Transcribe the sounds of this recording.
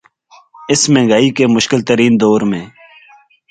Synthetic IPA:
ɪsmẽːŋɡaːikeːmʊʃkɪlt̪əɾiːnd̪oːɾmẽː

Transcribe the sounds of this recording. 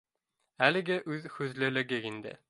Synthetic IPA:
ælɘ̆ɡʲɪʔʉðhʉzlɘ̆lɘ̆ɡʲɪind̪ɪ̰

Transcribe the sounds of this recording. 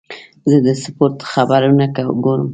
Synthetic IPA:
zəd̪əsəpoɾt̪xabaɾanakawɡoɾəm

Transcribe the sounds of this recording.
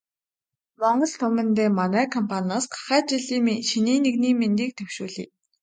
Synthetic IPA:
mɔɴɢɞ̆ɮt̪ʰɵmɘ̆nt̪eːmanæːkʰɔmpʰanaːsɢḁχæːt͡ɕiɮiːʃiniːneɣniːment̪iːk̚t̪ʰɵwʃuːɮḭː

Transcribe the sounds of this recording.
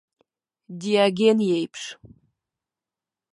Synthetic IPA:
diaɡʲenjejpʰʂ

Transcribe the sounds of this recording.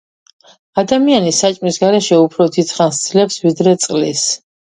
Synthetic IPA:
ad̪amianisat͡ʃʼmisɡaɾɛʃɛupʰɾɔd̪it̪sʰχansd̪slɛpsvid̪ɾɛt̪sʼqʼlis

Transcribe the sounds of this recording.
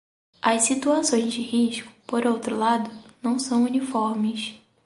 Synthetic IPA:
ɐsit̪uasõj̃zd͡ʒɪhiʃkʊ̥poɾowt̪ɾʊlad̪ʊnɐ̃w̃sɐ̃w̃unifɔɾmɪs

